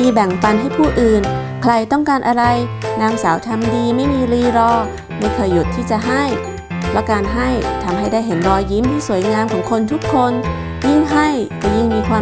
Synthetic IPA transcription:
iː˧bɛ˨˩ŋpa˧nɦa˥˩jpʰuː˥˩ʔɯː˨˩n | kʰla˧jt̪ɔ˥˩ŋkaː˧nʔa˧ɾa˧jnaː˧msaː˩˦wt̪ʰa˧mdiː˧ma˥˩jmiː˧ɾiː˧ɾɔː˧ | ma˥˩jkʰɤː˧jːu˨˩t̪ʰːiː˥˩t͡ɕa˨˩ɦa˥˩j | la˦˥kaː˧nɦa˥˩jt̪ʰa˧mɦa˥˩jda˥˩jɦe˩˦nɾɔː˧ji˦˥˨mt̪ʰiː˥˩su˩˦jŋaː˧mkʰɔː˩˦ŋkʰo˧nt̪ʰu˦˥kʰːo˧n | ji˥˩ŋɦa˥˩jkɔ˥˩ji˥˩ŋmiː˧kʰwaː˧

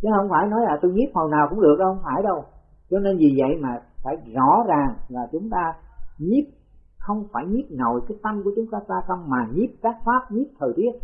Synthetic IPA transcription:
t͡ɕə˨˦hə˧wŋ͡mfaː˧˩jnɔ˨˦jlaː˨˩t̪o˧jŋi˦˥p̚hə˨˩wnaː˨˩wkʊ̰˧˥ŋ͡mɗɨ˨˩ək̚ɗhə˧ŋ͡mfaː˧˩jɗə˧w | t͡ɕɔ˧ne˧nzi˨˩və̰˧˨jmaː˨˩faː˧˩jzɔ̰˧˩˥zaː˨˩ŋlaː˨˩t͡ɕʊ˨˦ŋ͡mt̪aː˧ɲi˦˥p̚ | xə˧wŋ͡mfaː˧˩jɲi˦˥p̚no˨˩jkaː˨˦jt̪ə˧mku˧˩ət͡ɕʊ˨˦ŋ͡mt̪aː˧saː˧sə˧wŋ͡mmaː˨˩ɲi˦˥p̚kaː˦˥k̚faː˦˥p̚ɲi˦˥p̚t̪ʰəː˨˩jt̪i˦˥ət̚

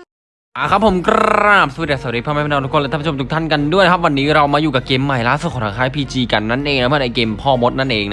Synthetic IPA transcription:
ʔaː˨˩kʰɾa˦˥pʰːo˩˦mkaː˥˩p̚su˧˦˩jaː˨˩sa˨˩˦ɾiː˦˥pʰaː˥maː˥˩pʰːn˧t̪ʰu˥kʰːt̪ːʰo˧t̪u˦˥kt̪ʰa˥˩nka˧ndu˥˩jn˧kʰa˦˥p̚wa˧nːiː˦˥ɾa˧wmaː˧juː˨˩ka˨˩keː˧mːa˨˩jlaː˥˩su˨˩kɔː˨˩˦t̪ʰa˧ŋkʰaː˦˥jpʰiː˧t͡ɕiː˧ka˧nːa˦˥˩nʔeː˧ŋna˧˦˥mʰɯ˥˩˨ʔa˧˩jkeː˧mpʰɔː˥˩mo˦˥t̪̚na˥˩nʔeː˧ŋna˦

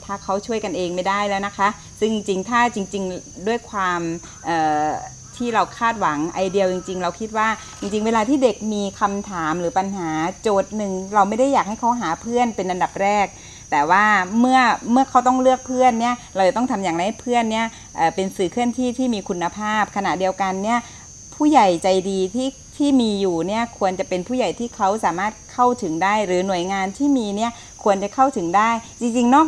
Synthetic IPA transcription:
t̪ʰaː˥˩kʰa˦˥wt͡ɕʰu˥˩əjka˧nʔeː˧ŋma˥˩jda˥˩jlɛː˦˥wna˦˥kʰa˦˥ | sɯ˥˩ŋ˧t͡ɕi˧ŋt̪ʰaː˥˩t͡ɕi˧ŋt͡ɕi˧ŋdu˥˩əjkʰwaː˧m | ʔɤː˨˩ | t̪ʰiː˥˩ɾa˧wkʰaː˥˩t̪̚wa˩˦ŋʔa˧jdi˧əwt͡ɕi˧ŋt͡ɕi˧ŋɾa˧wkʰi˦˥t̪̚waː˥˩ | t͡ɕi˧ŋt͡ɕi˧ŋweː˧laː˧t̪ʰiː˥˩de˨˩k̚miː˧kʰa˧mt̪ʰaː˩˦mɾɯː˩˦˥pa˧nɦaː˩˦t͡ɕoː˨˩t̪̚nɯ˨˩ŋɾa˧wma˥˩jda˥˩jaː˨˩k̚ha˥˩jkʰa˦˥wɦaː˩˦pʰɯ˥˩ənpe˧nʔa˧nda˨˩p̚ɾɛː˥˩k̚ | t̪ɛː˨˩waː˥˩mɯ˥˩ɐmɯ˥˩ɐkʰa˦˥wt̪ɔ˥˩ŋlɯ˥˩ək̚pʰɯ˥˩ənːi˥˩ɐɾa˧wt͡ɕa˨˩t̪ɔ˥˩ŋt̪ʰa˧mjaː˨˩ŋɾa˧jha˥˩jpʰɯ˥˩ənːi˥˩ɐ | ʔaː˨˩pe˧nsɯː˨˩kʰɯ˥˩ənt̪ʰiː˥˩t̪ʰiː˥˩miː˧kʰu˧nːa˧pʰaː˥˩p̚kʰa˧na̰˨˩ʔdi˧əwka˧nːi˥˩ɐ | pʰuː˥˩ja˨˩jt͡ɕa˧jdiː˧t̪ʰiː˥˩ | t̪ʰiː˥˩miː˧juː˨˩ni˥˩ɐkʰu˧ənt͡ɕa˨˩pe˧npʰuː˥˩ja˨˩jt̪ʰiː˥˩kʰa˦˥wsaː˩˦maː˥˩t̪̚kʰa˥˩wt̪ʰɯ˩˦ŋdaː˥˩jɾɯː˩˦nu˨˩əjŋaː˧nt̪ʰiː˥˩miː˧ni˥˩ə | kʰu˧ənt͡ɕa˨˩kʰa˥˩wt̪ʰɯ˩˦ŋdaː˥˩jt͡ɕi˧ŋt͡ɕi˧ŋnɔː˥˩

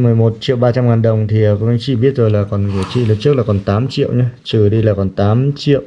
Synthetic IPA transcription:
mɨ˨˩əjmo˨˩t̚t͡ɕḭ˧˨əwɓaː˧t͡ɕa˧mŋaː˨˩nɗə˨˩wŋ͡mt̪ʰi˨˩˨ka˨˧˦ŋt͡ɕḭ˧˨ɓi˦˥ət̚zo˨˩jlaː˨˩kɔ˨˩nɨ˧˩ət͡ɕḭ˧˨ləː˨˩t͡ɕɨ˦˥ək̚laː˨˩kɔ˨˩nt̪aː˨˦mt͡ɕḭ˧˨əwɲa˧t͡ɕɨ˨˩ɗi˧laː˨˩kɔ˨˩nt̪aː˨˦mt͡ɕḭ˧˨əwʔ

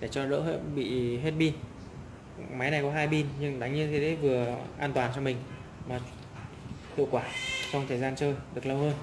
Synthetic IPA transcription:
ɗe˧˩t͡ɕɔ˧lə̰ː˧˥ɦḛ˧˥ɓḭ˧˨ɦe˦˥t̚ɓi˧n | ma˨˦jna˨˩jkɔ˨˦ɦaː˧jɓi˧nɲɨ˧ŋɗa˨˩˦ŋɲɨ˧t̪ʰe˨˦ɗe˨˦vɨ˨˩əʔaː˧nt̪waː˨˩nt͡ɕɔ˧mï˨˩ŋ̟ | maː˨˩ | hḭ˧˨əwkwaː˧˩t͡ɕwŋ͡mt̪ʰəː˨˩jzaː˧nt͡ɕəː˧jɗɨ˨˩ək̚lə˧whəː˧n

